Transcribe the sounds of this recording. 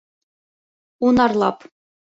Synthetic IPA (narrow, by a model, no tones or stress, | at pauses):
unɑrlˠɑp